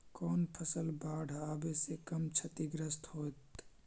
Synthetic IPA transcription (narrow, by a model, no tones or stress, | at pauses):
kɔːnpʰəsəlbaːɽ̤ʱaːbesekəmt͡ʃʰət̪iɡɾəst̪hoːt̪